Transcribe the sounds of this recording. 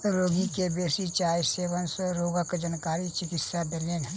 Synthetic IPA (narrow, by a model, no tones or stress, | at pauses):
ɾoːɡikebeːsit͡ʃaːjseːʋənsɾoːɡəkd͡ʒənkaːɾit͡ʃɪkɪt̪sad̪elen